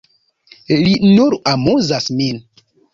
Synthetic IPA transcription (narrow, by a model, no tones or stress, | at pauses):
linoɾʔamuzasmin